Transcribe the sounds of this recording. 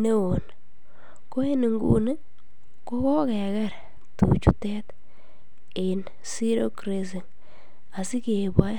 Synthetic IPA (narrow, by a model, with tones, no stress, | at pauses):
ne˦wo˨n | ko˦e˦ni˨ŋɡṵ˦ne˦ | ko˦kɔ˦kɛ˨ka˦˨ɾ | tṵ˨t͡ʃu˦tɛ˦t | ɪ˨n | si˦ɾo˦kɾe˦s̬i˨ŋ | a˨si˦ke˨bwa˦